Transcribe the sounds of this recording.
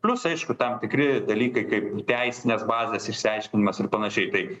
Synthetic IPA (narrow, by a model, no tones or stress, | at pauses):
pʲlʲʊsɐɪʃkʊt̪ɐmt̪ʲɪkɾʲɪd̪ɐlʲiːkɐɪkɐɪpt̪ʲɛɪsʲɪnʲesbɑːzʲɛsɪʃʲsʲɪɐɪʃʲkʲɪnʲɪmɐsɪrpɐnɐʃʲɛɪt̪ɐɪ